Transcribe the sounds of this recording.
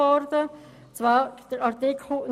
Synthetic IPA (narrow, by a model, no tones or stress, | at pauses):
ɔɾdə | t͡sʋaːd̥əɾɑʁt̪ɪkʰn